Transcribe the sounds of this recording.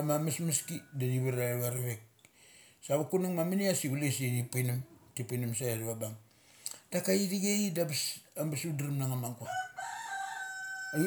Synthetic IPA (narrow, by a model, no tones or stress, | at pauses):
amamasmaskidadiβaɾaβaɾaβek̚ | saβakunuŋmaminiasiɡulesɾipajnamtipajnamsajaɾβabaŋ | d̥akaiɾiɡeidabasambasudɾimnaŋamaŋkua